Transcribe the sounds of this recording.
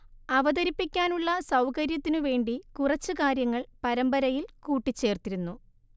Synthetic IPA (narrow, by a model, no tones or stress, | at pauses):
ɐʋɐd̪ɐɾipːikʲːaːnuɭːɐsɐwkɐɾjɐt̪ːinuʋe̞ːɳɖikurɐt͡ɕːɨkaːɾjɐŋːɐɭpɐɾɐmbɐɾɐjilkuːʈːit͡ɕːe̞ːrt̪iɾunːu